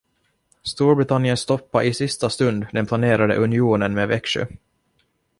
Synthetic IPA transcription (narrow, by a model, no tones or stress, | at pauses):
st̪uːɾbɾɪt̪ʰanjənst̪ɔpːaʔɪsɪst̪ast̪ɵnd̪d̪ɛnpʰlaneːɾad̪ə̰ʔɵnɪuːnənmeːvɛkʂɵ̰